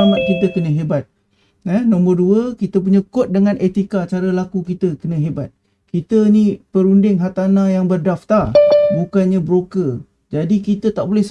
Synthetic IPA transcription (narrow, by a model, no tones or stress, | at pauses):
amat̪̚kit̪̬əkənə̃ɦebat̪̚ | ɛhnɔ̃mərduəkit̪əp̬uɲəkʊt̪̚dəŋãnʔet̪ikat͡ʃaɾəlakukit̪əkənə̃ɦebat̪̚ | kit̪ənĩpəɾundɪŋɦat̪anãjaŋbərdaft̪arbukanɲabɾokə | d͡ʒadikit̪ət̪aʔbolɛhs